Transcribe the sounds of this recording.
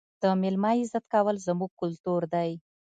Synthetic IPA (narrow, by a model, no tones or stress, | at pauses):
d̪̥əmɪlmɑizat̪̚kawəlzəmuɡ̚kʊlt̪uɾd̪aj